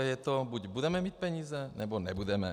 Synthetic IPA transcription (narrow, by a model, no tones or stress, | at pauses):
jɛt̪ɔbuɟbud̪ɛmɛmic̚pɛɲiːzɛnʔɛbɔnɛbud̪ɛmɛ̰